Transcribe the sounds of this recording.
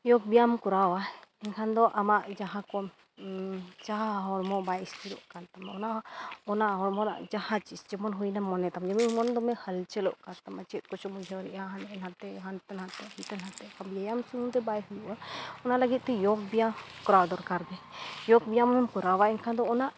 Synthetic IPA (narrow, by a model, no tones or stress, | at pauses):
jɔk̚bijamkɔɾawaɛŋkʰand̪ɔʔamaʔd͡ʒaɦãkɔ | t͡ʃaɦaɦɔɾmɔbajist̪iɾɔ̰ʔkant̪amɔnaʔɔnaɦɔɾmɔɾa̰ʔd͡ʒahãt͡ʃisd͡ʒɛmɔnɦujnamɔnɛt̪amd͡ʒɛmimɔnd̪ɔmɛhəlt͡ʃɛlɔ̰ʔkant̪amat͡ʃɛt̪̚ˀkɔt͡ʃɔmud͡ʒʱɛaɾiʔaɦanɛnat̪ɛɦant̪anɦãt̪ɛhit̪anɦat̪ɛkabjajamsuunt̪ɛbajɦujuʔaɔnalaɡit̪̚ˀt̪ɛjɔk̚bijakɔɾawd̪ɔɾkaɾɡɛjɔk̚bijammkɔɾawaɛŋkʰand̪ɔːnaʔ